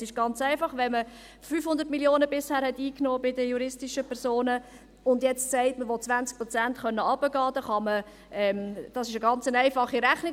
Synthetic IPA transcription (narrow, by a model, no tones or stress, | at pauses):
sɪʃɡ̥ɑnt͡sæɪfɑχʋɛnmə | fyːfhʊnd̪əɾtmiljoːnəbɪshæːɾhɛtiːknoːbɪdəjuɾɪstiʃəpʰɛɾsoːnə | ʊndjɛt͡ssɛɪtməʋɔt̚t͡svʋænt͡sk̚pɾɔt͡sæntχœnːəɑbəɡɑːd̥ɑχɑmə | ɛmd̥ɑsɪʃəɡɑnt͡sənæɪfɑχiɾæχnɪ